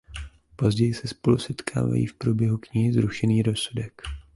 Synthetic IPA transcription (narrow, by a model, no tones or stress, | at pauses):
po̞zɟɛjɪsɛspo̞lusɛt̪kʰa̰ːva̰jḭːfpɾubjɛɦukɲɪɦɪzɾuʃɛniːɾo̞sudɛk